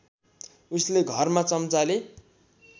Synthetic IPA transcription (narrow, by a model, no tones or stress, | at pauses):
usleɡʱʌrmat͡sʌmt͡sale